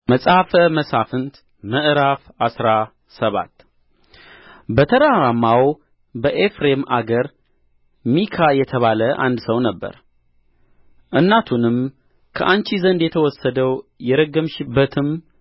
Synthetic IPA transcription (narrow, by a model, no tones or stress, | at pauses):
məsʼhafəməsafɨnt̪ | məʔɨɾaf | asɾa | səβa̰t̪ː | bət̪ʰəɾaɾamːaw | bəʔefɾema̰ɡəɾ | mikʰajɛt̪ʰəβaləʔa̰nd̪səwnəbːə̰ɾ | ʔɨnːat̪ʰunɨm | kʰəʔant͡ʃizənd̪jɛt̪ʰəwɔsːəd̪əwjɛɾəɡːəmʃɪbːət̪ʰɨm